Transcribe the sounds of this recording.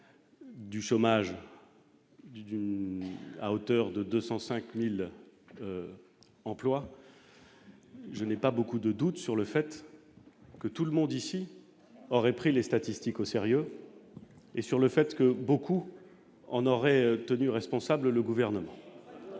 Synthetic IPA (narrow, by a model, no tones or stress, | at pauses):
d̪yʃomaʒ | d̪y | a̰ot̪œʁd̪əd̪øsɑ̃sɛ̃kmil | ɑ̃plwa | ʒənɛpabokud̪əd̪ut̪syʁləfɛt̪ | kət̪uləmɔ̃d̪isi | ɔʁɛpχilest̪at̪ist̪ikoseʁjø | esyʁləfɛt̪kəboku | ɑ̰̃nɔʁɛt̪ənyʁɛspɔ̃sablləɡuvɛʁnəmɑ̃